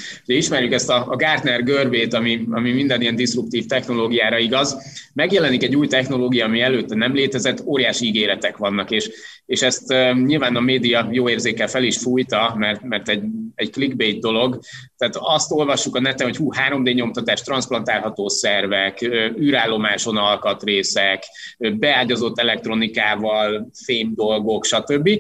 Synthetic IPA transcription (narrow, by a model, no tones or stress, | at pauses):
huɟɛiʃmɛɾjukɛst̪ɒːɡaːrt̪nɛrɡørbeːt̪ɒmiɒmimind̪ɛnijɛnd̪isrup̚t̪iːft̪ɛxno̞loːɡijaːɾɒiɡɒzmɛɡjɛlɛnikɛɟːuːjt̪ɛxno̞loːɡijɒːmiɛløːt̪ːɛnɛmleːt̪ɛzɛt̪ːoːɾijaːʃiiɡeːɾɛt̪ɛkʋɒnːɒkeːʃ | eːʃɛst̪ːɲilvaːnɒmeːd̪ijɒjoːeːrzeːkɛlfɛliʃfuːjt̪ɒmɛrt̪mɛrt̪ɛɟɛɟkliɡbet̪̚d̪o̞lo̞ɡt̪ɛːt̪ɒst̪o̞lvɒʃːukɒnɛt̪ɛnɦo̞chuːhaːɾo̞md̪eːɲo̞mt̪ɒt̪aːʃt̪rɒnsplɒnt̪aːlɦɒt̪oːsɛrvɛkøyːɾaːlːo̞maːʃo̞nɒlkɒt̪reːsɛkːbɛaːɟɒzo̞t̪ːɛlɛk̚t̪ro̞nikaːvɒlfeːmd̪o̞lɡo̞kʃɒt̪ø̞bːi